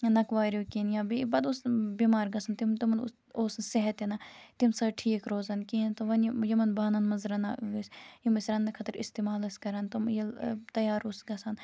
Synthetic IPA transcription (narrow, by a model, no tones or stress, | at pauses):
nɐkʋaːɾoːkinjaːbibɐd̪usbimaːɾɡɐsɐnt̪imt̪imɐn̰ | oːsnseɦɐt̪ɐnɐt̪imsɐʈʰiːkɾoːzɐnkint̪oʋɐnjɐmɐnbaːnɐnmɐzɾɐnaɡisjimɐsɾɐnːɐkʰɐt̪əɾɪst̪eːmaːlɐskɐɾɐnt̪ɐmjɐt̪ɐjaːɾusɡɐsɐn